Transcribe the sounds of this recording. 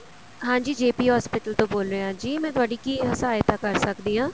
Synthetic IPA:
ɦãːd͡ʒiːd͡ʒeːpiːɦɔːspɪʈəlt̪õːboːlɾeːãːd͡ʒiːmɛ̃ːt̪ʊaːɖiːkiːɦəsaːjt̪aːkəɾsəkd̪iːãː

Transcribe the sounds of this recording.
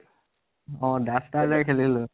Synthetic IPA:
ɔ̃dasʈazakʰelilo

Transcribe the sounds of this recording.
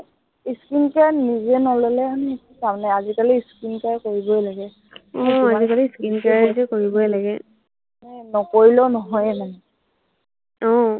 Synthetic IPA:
iskinkanizɛnɔlɔlɛan | samnɛazikaliiskinkajkoɹibɔjlaɡɛ | ɔ̃azikaliiskinkazɛkoɹibɔjlaɡɛ | nɛnɔkoɹilɔnɔɦɔjɛmanɛ | ɔ̃

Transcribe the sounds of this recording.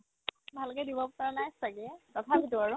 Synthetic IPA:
bʱalkɛdibɔptanajsaɡɛtɔtʰapitʊaɹʊ

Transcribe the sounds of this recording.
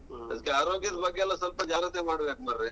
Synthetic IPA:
ɐ̰d̪kːeaːɾoːɡjɐd̪bɐɡeɛlːɐsɐlpɐd͡ʒaːɾɐt̪emaːɽuʋet̪̚mɐɾe

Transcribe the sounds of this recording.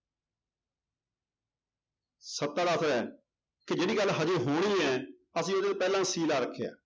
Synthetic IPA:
sət̪ːaːɖaːt̪ʰəɾɛː | kɪd͡ʒeːɽiːɡəlːɦəd͡ʒəːɦoːɽiːɛː | əsĩːʊd̪eːoːpɛːlãːsiːlaːɾəkʰːeja̰ː

